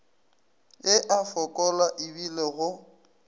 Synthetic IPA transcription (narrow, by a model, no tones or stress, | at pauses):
ɪʔafɔkʼɔlaʔibileɣʊ